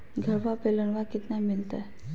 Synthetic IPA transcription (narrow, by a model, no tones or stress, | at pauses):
ɡʱəɾʋapelənʋakɪt̪namɪlt̪a